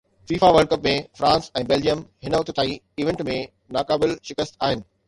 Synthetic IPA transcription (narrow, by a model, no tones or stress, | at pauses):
fiːfaʋəɾɖ̚kəpmẽfɾãːnsɛ̃ːbɛːld͡ʑijəmɦɪnəʊt̪t̪ʰaːi | iːʋẽɳʈmẽ | naːkaːbɪlʃɪkəst̪aːɦɪnɪ̆